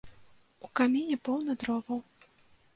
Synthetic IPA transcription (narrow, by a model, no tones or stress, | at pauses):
ukamʲinʲɛpɔwnɐd̪ɾɔbɐw